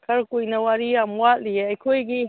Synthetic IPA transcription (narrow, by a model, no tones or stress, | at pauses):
kʰɐɾkujnɐwaɾiamwat̚lieɐjkʰojɡi